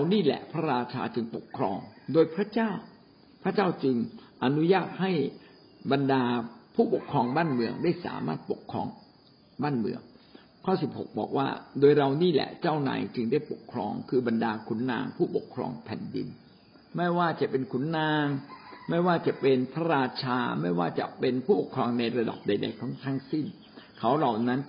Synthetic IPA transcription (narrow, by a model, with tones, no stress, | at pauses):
a˧wniː˥˩lɛ̰˨˩ʔpʰa˦˥ɾaː˧t͡ɕʰa̰ː˧t͡ɕɯ˧ŋpo˨˩kʰːɾɔː˧ŋdoː˧jpʰɾa˦˥t͡ɕaː˥˩w | pʰɾa˦˥t͡ɕaː˥˩wt͡ɕɯ˧ŋʔa˧nu˦˥jaː˥˩t̪̚ha˥˩j | ba˧ndaː˧pʰuː˥˩po˨˩kʰɾɔː˧ŋbaː˥˩nmɯ˧əŋdaː˥˩jsa̰ː˩˦ma̰ː˥˩t̪̚po˨˩kʰːɾɔ̰ː˧ŋ | baː˥˩nmɯ̰˧˩əŋ | kʰɔː˥˩si˨˩p̚ho̰˨˩k̚bɔ̰ː˨˩k̚wa̰ː˥˩doː˧jɾa˧wniː˥˩lɛ̰˨˩t͡ɕaː˥˩wna̰ː˨˧˦jt͡ɕɯ˧ŋdaː˥˩jpo̰˨˩kʰːɾɔ̰ː˧ŋkʰɯː˧ba˧ndaː˧kʰu˨˩˦nːa̰ː˧ŋpʰuː˥˩po˨˩kʰːɾɔ̰ː˧ŋpʰɛ̰˨˩ndḭ˧n | ma˥˩jwaː˥˩t͡ɕa˨˩ʔpe˧nkʰu˩˦nːaː˧ŋma˥˩jwaː˥˩t͡ɕa˨˩ʔpe˧npʰa˦˥ɾaː˧t͡ɕʰaː˧ma˥˩jwaː˥˩t͡ɕa̰˨˩ʔpe˧npʰuː˥˩po˨˩kʰɾɔː˧ŋna˧jɾa˧da̰˨˩p̚da˧jda̰˧jt̪ʰɔ˦˥˩ŋt̪ʰa˦˥ŋsi˥˩n | kʰa˦˥wla˨˩wna˦˥n